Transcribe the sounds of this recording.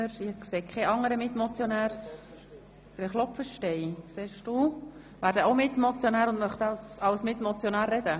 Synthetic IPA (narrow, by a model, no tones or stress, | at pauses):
əɾɪkseːkʰɛʔɑŋːəɾəmɪt̪mot͡sjonæːɾ | d̥əɾəχlɔpfəʃtɛɪsɛːʃdu | ʋæːɾdəomɪt̪mot͡sjonæːɾʊndmœχt̪əɑsɑwsmɪt̪mɔt͡sjonæːɾːɛd̥̪ə